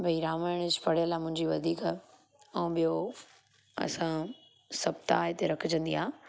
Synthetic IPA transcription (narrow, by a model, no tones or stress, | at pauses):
bʱɐiɾaːmaːɪɽ̃əd͡ʑpɐɽ̤ɪjəlaːmʊ̃ɦɪ̃ɲd͡ʑiʋɐd̪ʱiːka | ɐ̃ɓijo | ɐ̰sã | sɐbt̪a̰ːɪt̪eɾɐkʰʊd͡ʑə̃nd̪iaː